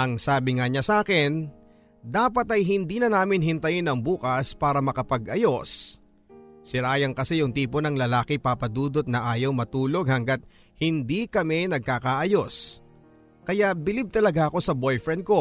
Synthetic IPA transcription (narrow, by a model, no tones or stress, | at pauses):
ʔɐŋsaːbɪŋɐɲasaːkɪn | d̪aːpɐt̪ɐjɦɪnd̪iːnɐnaːmɪnɦɪnt̪ɐjɪnɐŋbuːkɐspaːɾɐmɐkɐpɐɡʔɐjo̞s | sɪɾaːjɐŋkɐsɛjʊŋt̪iːpo̞nɐŋlɐlaːkɪpapɐd̪uːd̪ot̪̚nɐʔaːjɐwmɐt̪uːlo̞ɡ̚hɐŋɡɐt̪̚ | hɪnd̪ikɐmɛnɐɡ̚kakaʔɐjo̞s | kɐjabɪlib̚t̪ɐlɐɡaʔɐko̞sɐbo̞jfɾɛnd̪̚ko̞